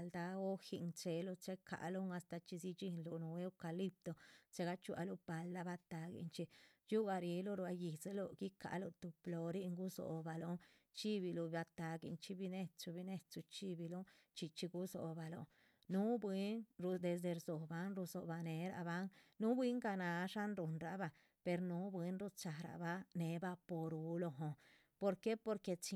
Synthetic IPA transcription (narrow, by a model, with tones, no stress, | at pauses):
ld̪a˧o˦xi˧nt͡ʃe˧lo˧t͡ʃe˦kʰa̰˨ʔlo˦ŋa˧st̪a˧t͡ʃi˧si˧t͡ʃi˧nlu˧˨nu˧e˧o˦ka˧li˦p̚t̪o˧t͡ʃe˧˦ɡa˦t͡ʃu˦a̰˧lu˧pa˨˧ld̪a˧˦ba˧t̪a˧ɡḭ˧nt͡ʃi˧ju˦ɡa˧ɾi˧lo˦ɾu˧a˧ji˨se˧˦lo˧ɡi˦ka̰˨lo˧t̪u˨plo˨ɾi˦ʔŋɡu˦so̰˨ba˧lo˧ŋ | t͡ʃi˦bi˧lu˧ba˧t̪a˨ɡḭ˧nt͡ʃi˧˦bi˧ne˧t͡su˧bi˧ne˧t͡su˧t͡ʃi˦bi˧lo˦ | t͡ʃi˧t͡ʃi˧ɡu˦so̰˨ba˧lo̰˧ | nu˦bwi˦nɾu˧d̪e˧s̬d̪e˧ɾzo˨ba˧nɾu˧so˨ba˧ne˨ɾa̰˧ba˦nnu˦bwi˦ŋka˧na˨ʂa˦nɾu˨nɾa˨ba˧ | pe˧ɾnu˦bwi˦nɾu˦t͡ʃa˨ɾa̰˧˨ba˦ne˨˦ba˦po˧ɾu˨lo˧ɦo˧ | po˧ɾke˦po˧ɾke˧t͡ʃi˧